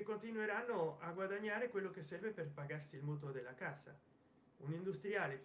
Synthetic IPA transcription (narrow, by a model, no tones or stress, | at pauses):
ekont̪inuweɾanːoaɡwad̪aɲːaːɾekwelːokesːɛrveperpaɡarsilmut̪od̪elːakaːsa̰ | unind̪ust̪ɾjaːlek